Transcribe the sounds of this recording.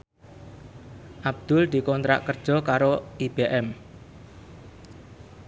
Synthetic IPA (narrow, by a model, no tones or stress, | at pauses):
ʔab̚d̪̥ʊld̪̥i̤kɔnt̪ɾa̰ʔkərd̥ʒ̥ɔ̤kaɾoʔib̥eʔɛm